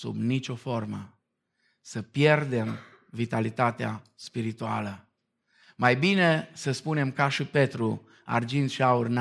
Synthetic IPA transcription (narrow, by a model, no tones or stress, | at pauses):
sṵbnit͡ʃʲo̞fo̞rmə̰ | səpje̞rd̪e̞m | vit̪alit̪at̪easpiɾit̪ua̰lə | majbine̞səspune̞mkaʃipe̞t̪ɾu | a̰rd͡ʒind̪ʃiaurn